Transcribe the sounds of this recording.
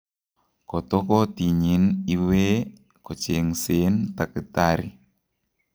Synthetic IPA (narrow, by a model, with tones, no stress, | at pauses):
kɔ˨tɔ˦kɔ˦ti˨ɲi˨˦ni˦we˦ | kɔ˨t͡ʃe˨ŋse˨˦nta˨ki˨ta˦ɾi˨